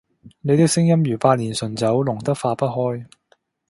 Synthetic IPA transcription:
ne˨˧jt̪ɪ˥k̚sɪ˥ŋjɐ˥mjyː˨˩paː˧t̚liː˨˩nsɵ˨˩nt͡sɐ˨˥wlʊ˨˩ŋt̪ɐ˥k̚faː˧pɐ˥t̚ɦɔː˥j

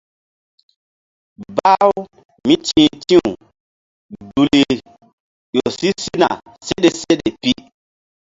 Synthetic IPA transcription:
ba˦w | mi˦t͡ʃĩ˨˦tĩ˦u˨ | du˨li˨ | jo˨si˦si˦na̰˨ | se˦ɗe˨se˦ɗe˨pi˦

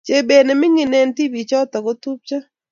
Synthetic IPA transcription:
t͡ʃe˨be˨ne˨mɪ˦ŋɪ˨ne˦nti˦bi˨t͡ʃɔ˦t̪a˨ɡo˦t̪u˦p̚t͡ʃa˦

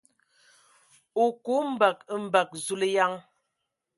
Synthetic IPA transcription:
o˨ko˨˦m̩˨ba˨kə˦m̩˨ba˨k̚zu˦le˦ja˦ŋ

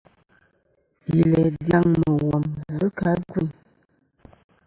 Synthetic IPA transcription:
i˨lɛ˨dja˦ŋmə˨wɔ˨mzə˨˦ka˨˦ɡu˦˨n

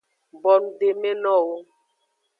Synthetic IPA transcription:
bɔ˨n˨de˨me˦lɔ˦˨wo˦

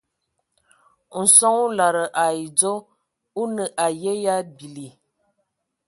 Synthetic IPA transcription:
n̩˨sɔ˦ŋu˦la˨ɾə˨ʔa˨i˨d͡zo˦ | u˦nə˨ʔa˨je˦ja˦bi˨li˨

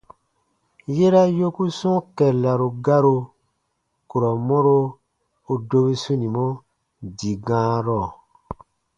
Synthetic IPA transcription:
je˦ɾa˦jo˦ku˦sɔ̃˦kɛ˨la˨ɾo˨ɡa˦ɾo˧ | ku˨ɾɔ˨mɔ̃˦ɾo˧ | o˨do˧be˦sũ˦nĩ˨mɔ̃˦ | di˨ɡãː˦ɾɔ˦˨

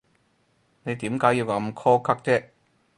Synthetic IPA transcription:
ne˨˧jt̪iː˨˥mkaː˨˥jiː˧wkɐ˨˧˥mkʰɔː˥kʰɐ˥k̚t͡sɛː˥

